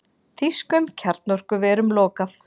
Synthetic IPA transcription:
θiskʏmcʰɛɾt̪nɔr̥kʏvɛːɾʏmlɔːkaθ

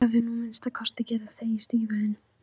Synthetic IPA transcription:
avɪnũenst̪akʰɔst̪acɛːɾaθeist̪ivaɪn

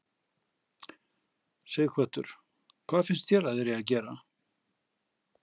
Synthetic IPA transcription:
sɛɣðɪkʰvœt̪ʏɾ̥ | kʰvaːðfɪnst̪çjɛɾaðɛɾjɛaðc̬ɛːɾa

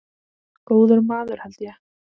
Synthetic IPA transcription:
koːwðʏɾmaːðʏɾ̥halt̪ja

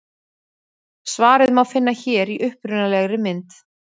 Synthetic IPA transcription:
svaːɾɪðmawfɪnːaçɛːɾiʔʏhpɾʏnalɛɣɾɪmɪnt̪

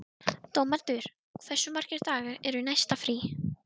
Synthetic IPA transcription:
t̪owmaɾt̪ʏɾ̥ | ɔθɛsːʏmar̥cɪɾt̪aːɣaɛɾʏnajst̪afɾi

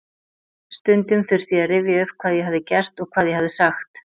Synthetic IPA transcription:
st̪ʏnt̪ʏmθʏɾ̥θiaðrɪvjɪʏv̥kʰv̥aːðjɛhɦavðɪcɛr̥t̪ɔɣkʰvaːðjɛhavðɪsaxt̪

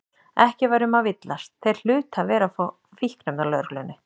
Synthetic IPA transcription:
ɛhcɪvaːjɾʏmavɪt̪last̪θejɾ̥l̥ʏːt̪havɛːɾaf | fihkɾɛmðalœɾklʏnːɪ

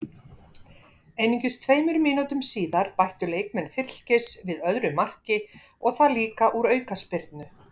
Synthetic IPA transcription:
ejniɲcɪst̪ʰveːjmʏɾmɪːnut̪ʏmsiːðaɾ̥pajht̪ʏleːjk̚mɛnfɪl̥cɪsvɪðœðɾʏmar̥cɪ | ɔɣθaliːkaʔuɾœːɥkaspɪɾt̪nʏ

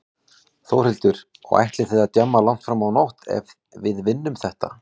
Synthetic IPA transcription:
θowɾ̥ɪlt̪ʏɾ̥ | ɔ̰ɣa̰jht̪lɪ̥θeːðat̪jœmːalaŋ̥t̪fɾamawnowht̪ɛ̰v | vɪðvɪnːʏmθɛht̪a

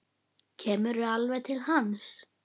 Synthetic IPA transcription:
cʰɛːmʏɾʏalvɛjt̪ʰɪlhans

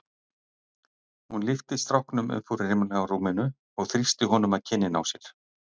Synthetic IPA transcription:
hunlɪft̪ɪst̪ɾɔwhknʏmœ̰nfuɾɪ̥ɪmanaawɾuːmɪnʏ | ɔɣθɾist̪ɪɦɔːnʏmaðcʰɪnːɪna̰wsjɛɾ̥

